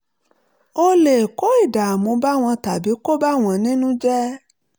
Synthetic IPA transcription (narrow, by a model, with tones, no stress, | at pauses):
o˧le˨ko˦i˦˨da˨a˨mũ˨˧˦ba˦w̃ɔ̃˧ta˨bi˨˦ko˦ba˦w̃ɔ̃˧nĩ˦nũ˦d͡ʒɛ˦